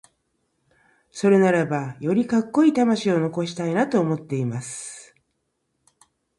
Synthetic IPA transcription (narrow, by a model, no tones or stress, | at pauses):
so̞ɾe̞naɾabajo̞ɾʲikakːo̞it̪amaɕio̞no̞ko̞ɕi̥t̪ainat̪o̞ːmo̞t̪ːe̞imasɨ̥